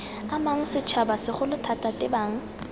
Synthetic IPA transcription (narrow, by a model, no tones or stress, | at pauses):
amaŋ̩sɪt͡ʃʰabasɪχʊlʊtʰatʼatʼɪbaːŋ̩